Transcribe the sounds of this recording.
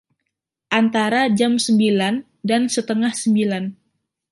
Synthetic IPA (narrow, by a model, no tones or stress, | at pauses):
ʔant̪aɾad͡ʒamsəmbilan | dansət̪əŋahsəmbilan